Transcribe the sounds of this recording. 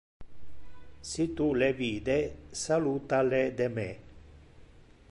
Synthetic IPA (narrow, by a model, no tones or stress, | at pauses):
sit̪uleviːd̪esalut̪aled̪eme